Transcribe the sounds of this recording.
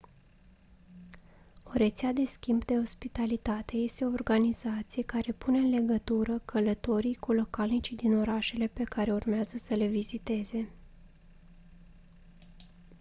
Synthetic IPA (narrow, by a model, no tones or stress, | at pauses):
o̞ɾe̞t̪sead̪e̞skʲimbd̪e̞o̞spit̪alit̪at̪e̞je̞st̪e̞o̞ːrɡanizat̪sije̞kaɾe̞pune̞ɨnle̞ɡət̪uɾəkʰələt̪o̞ɾijkulo̞kalnit͡ʃid̪ino̞ɾaʃe̞le̞pe̞kaɾe̞urmeazəsəle̞vizit̪e̞ze̞